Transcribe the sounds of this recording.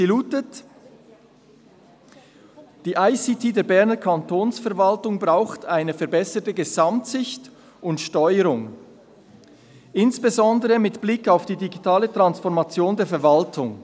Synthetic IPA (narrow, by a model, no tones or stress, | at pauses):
iluːtət | d̥iːʔaɪsitʰiːdeːɐbɛɐnəkʰantʰoːnsfɛɐvaltʊŋbʁaʊxtʰaɪnəfɛɐɾbɛsətəɡəzamtsɪçt | ʊntʃtɔʏəɾʊŋ | ʔɪnsb̥ezɔndəʁəmɪtb̥lɪkːaʊfd̥iːdiɡitʰaːlətʁ̥ansfɔʁmat͡sjoːndeːɐfɛɐvaltʰʊŋ